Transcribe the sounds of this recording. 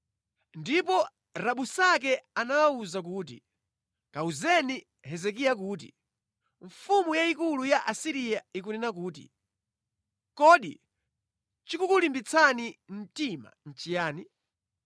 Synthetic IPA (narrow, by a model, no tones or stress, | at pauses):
ndipɔ | ɾaɓusak̬ɛanawauzak̬uːt̬ḭ | kauzɛni | ɦɛzɛkijak̬uːt̬ḭ | ɱfumujaikulujaʔasiɾijaikunɛnakuːt̬ḭ | kɔɗḭ | t͡ʃikukulimbit͡sʰanin̩tima̰n̩t͡ʃijaːni